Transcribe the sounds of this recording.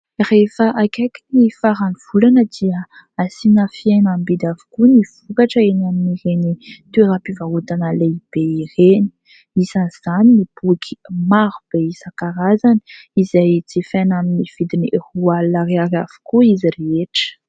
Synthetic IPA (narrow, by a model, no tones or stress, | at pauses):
refəʔakaki̥nifaɾaniv̥ulanəd̪̥iə | asinafienambid̪avu̥kuniv̥ukaʈ͡ʂəenaminiɾenit̪ueɾapivaut̪anəleib̥eiɾeni̥ | isanz̥aninib̥ukʰi̥maɾub̥eisakaɾazani | izajt͡sifenaminiv̥id̪iniʔrualaɾiaɾav̥u̥kuizireeʈ͡ʂə̥